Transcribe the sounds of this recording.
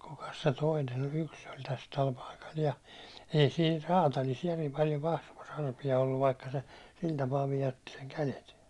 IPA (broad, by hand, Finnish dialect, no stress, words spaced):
kukɑs se toinen olʲ yks olʲ tæs tæl pɑikɑl jɑ ei siːn rɑːtɑlis jærim pɑljo kɑsʋos ɑrpiɑ olːuʋ ʋɑikːɑ se sil tɑpɑː ʋijotːi seŋ kælet